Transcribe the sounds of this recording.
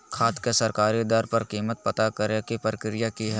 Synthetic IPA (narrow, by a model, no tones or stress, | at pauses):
kʰaːt̪kesɐɾkaːɾid̪aːɾpɐɾkiːmət̪̚pɐt̪akəɾekipɾəkɾɪjakiɦɛː